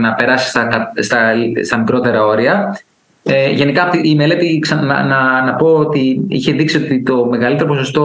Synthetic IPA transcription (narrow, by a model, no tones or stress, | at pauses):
nɐpe̞ɾɐsi̥st̪ɐkɐst̪ɐst̪ɐmikɾo̞t̪e̞ɾɐo̞ɾiɐ | eʝe̞nikɐt̪iːme̞le̞t̪iksɐɐ̰nɐnɐpo̞ːt̪iḭçe̞ðiksio̞t̪it̪o̞me̞ɣɐlit̪e̞ɾopo̞so̞st̪o̞